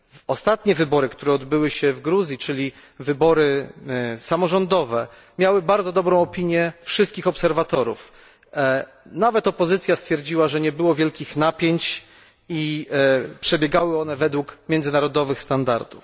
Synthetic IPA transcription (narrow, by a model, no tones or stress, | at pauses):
ɔst̪at̪ɲɛvɘbɔɾɘkt̪uɾɛɔd̪bɘwɘɕɛvɡɾuzʲjit͡ʂɘlʲivɘbɔɾɘ | samɔʐɔnd̪ɔvɛ | mʲjawɘbaɾd̪zɔd̪ɔbɾɔ̃w̃ɔpʲiɲjɛfʂɘst̪kʲixɔpsɛɾvat̪ɔɾṵf | navɛt̪ɔpɔzɘt̪sʲjast̪fʲjɛɾd͡ʑiwaʐɛɲɛbɘwɔvʲjɛlkʲixnapʲjeɲt͡ɕ | i | pʂɛbʲjɛɡawɘɔnɛvɛd̪wukmʲjɛnd̪zɘnaɾɔd̪ɔvɘxst̪and̪a̰ɾd̪uf